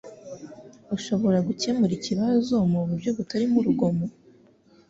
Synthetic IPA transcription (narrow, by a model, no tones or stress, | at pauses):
uʃo̞βo̞ɾaɡuce̞muɾiciβazo̞muβuɾbɟo̞βutaɾimuɾuɡo̞mo